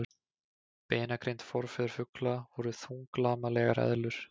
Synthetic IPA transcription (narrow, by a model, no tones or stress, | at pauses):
peːjnakɾejnt̪fɔɾfɛðʏɾ̥fʏklavɔɾʏθuŋklaːmalɛɣaɾɛ̰ðlʏɾ̥